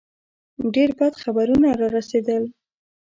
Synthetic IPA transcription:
ɖeɾbɑd̪xabaɾunaɾɑɾased̪əl

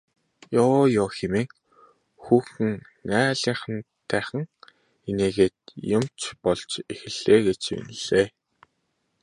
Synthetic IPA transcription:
jɔːjɔːxemeːŋ | xuːxɘ̆ŋ | næːɮiːɴχə̆nt̪ʰːæːχə̆ŋ | eneːɣeːt̪̚jʊmt͡ɕpɔɮt͡ɕexɘ̆ɮ̥eːɡet͡ɕṵn̆ɮ̥eː

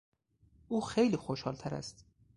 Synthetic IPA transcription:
ʔuːxejliːxoʃhɒːlt̪ʰæɾæ̰st̪

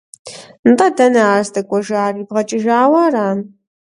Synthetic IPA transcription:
ntʼɐdɐnɐaːzdɐkʷʼɔʒaːriːbʁɐt͡ʃʼɪʒaːwɐɾaːn

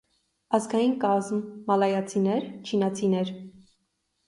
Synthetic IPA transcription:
ɑzɡɑjinkɑzmːɑlɑjɑt͡sʰinɛɾt͡ʃʰinɑt͡sʰinɛɾ

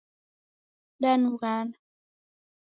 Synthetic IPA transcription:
danuɣana

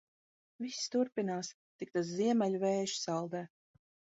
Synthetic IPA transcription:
visʲt̪uɾpinaːs | t̪ik̚t̪asziɛmɛlʲuvɛːjʃsalˠd̪ɛː

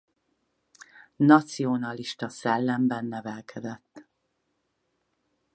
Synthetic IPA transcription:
nɒt̪sionɒliʃt̪ɒsɛlːɛmbɛnːɛvɛlkʰɛd̪ɛt̪ː

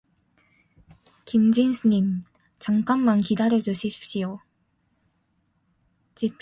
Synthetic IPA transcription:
kimd͡ʑinsʰɯɲim | t͡ɕaŋk͈anmankidaɾjʌd͡ʑuɕʰiɕʰi̥p̚ɕ͈io | t͡ɕipʰ

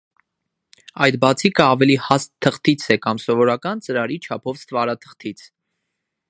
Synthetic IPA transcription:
ɑjd̪bɑt͡sʰikəɑvɛlihɑst̪ʰːəχt̪ʰit͡sʰɛkɑmsɔvɔɾɑkɑnt͡səɾɑɾit͡ʃʰɑpʰɔvst̪vɑɾɑt̪ʰə̥χt̪ʰit͡sʰ

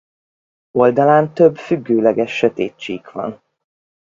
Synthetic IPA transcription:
o̞ld̪ɒlaːnt̪øbfyɡːøːlɛɡɛʃːøt̪ḛːt͡ʃːeikʋɒ̰n

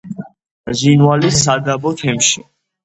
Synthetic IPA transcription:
zinwalisad̪abɔt̪ʰɛmʃi

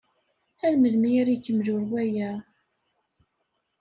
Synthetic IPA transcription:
ælməlmiɾijkːəmʒʊɾwæjæ

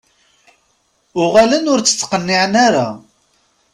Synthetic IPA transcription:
ʊʁalənʊɾt͡sːə̥t͡sːqənːiʕənaɾa

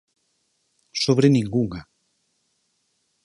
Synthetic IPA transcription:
soβ̞ɾenĩŋɡuŋa

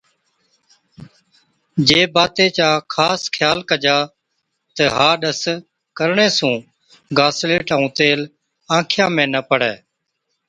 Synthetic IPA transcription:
d͡ʒeːbaːt̪eːt͡ʃaːkʰaːskʰjaːlkəd͡ʒaː | t̪əɦaːɗəs | kəɾɳẽːsũː | ɡaːsleːʈəũːt̪eːl | ãːkʰjãːmẽːnəpəɽeː

